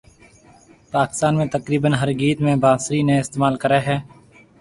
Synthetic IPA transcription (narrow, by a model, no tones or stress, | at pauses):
paːkɪ̥st̪aːnmẽːt̪əkɾiːbənɦəɾɡiːt̪mẽːbaːsɾiːnẽːɪst̪eːmaːlkəɾeːɦɛː